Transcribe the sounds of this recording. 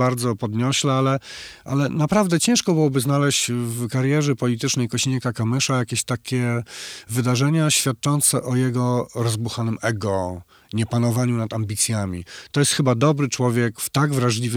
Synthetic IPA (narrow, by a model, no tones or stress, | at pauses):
aɾd̪zɔpɔd̪ɲɔɕlɛalɛʔa̰lɛnapɾavd̪ɛt͡ɕɛ̃w̃ʂkɔbɨwɔbɘznalɛɕt͡ɕvkaɾjɛʐɛpɔlʲit̪ɘt͡ʂnɛjkɔɕiɲɛkakamɘʂajakʲeɕt̪akʲɛvɘd̪aʐɛɲaɕfʲjat̪̚t͡ʂɔnt̪sɛʔɔjɛɡɔɾɔzbuxanɘmɛɡɔ | ɲɛpanɔvaɲunat̪ambʲit̪sʲjamʲḭt̪ɔjɛst̪xɘbad̪ɔbɾɘt͡ʂwɔvʲjɛkft̪aɡvɾaʐlʲivɘ